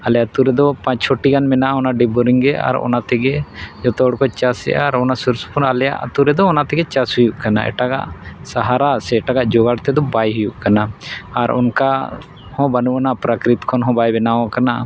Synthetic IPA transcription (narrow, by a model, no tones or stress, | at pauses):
alɛjat̪uɾɛd̪ɔpãt͡ʃt͡ʃʰɔʈiɡanmɛnaʔɔnaɖibɔɾiŋɡɛa̰ɾɔ̰nat̪ɛɡɛd͡ʒɔt̪ɔɽkɔt͡ʃasɛ̰ʔaɾɔnasuɾsu̥puɾalɛja̰ʔt̪uɾɛd̪ɔːnat̪ɛɡɛt͡ʃashujuʔkana̰ʔɛ̰ʈaɡa̰ʔsaɦaɾasɛʈaɡaʔd͡ʒɔɡaɽt̪ɛd̪ɔbajɦujuʔkanaːɾɔ̰nka | hɔ̃banuʔanaʔpɾakɾit̪kʰɔnɦɔ̃bajbɛnawãkana